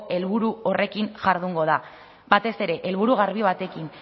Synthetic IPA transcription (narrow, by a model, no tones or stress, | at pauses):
e̞lβuɾuo̞re̞kiŋʝaɾðuŋɡo̞ð̞a | bat̪e̞se̞ɾe̞ʔelβuɾuɣaɾβ̞iβat̪e̞kin